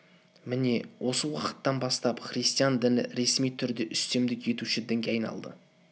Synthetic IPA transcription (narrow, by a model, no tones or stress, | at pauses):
mɪne̞wʔo̞səwɑqə̥t̪ːɑnbɑst̪ɑpχɾijst̪ijɑnd̪ɪnɪ̰ɾe̞smijt̪ʰʏɾd̪e̞ʔʏst̪e̞md̪ɪkje̞t̪uʃɪd̪ɪŋɡʲeɑjnɑ̰lˠd̪ə̰